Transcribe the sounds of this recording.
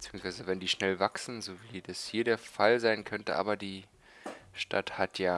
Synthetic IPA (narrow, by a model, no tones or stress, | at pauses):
b̥t͡siːʊŋsv̥aɪzəvɛndiːʃnɛlvaksn̩zoːviːdashiːɐdeːɐfalzaɪnkʰœntəʔa̰ːbɐdiː | ʃtʰa̰thatʰjaː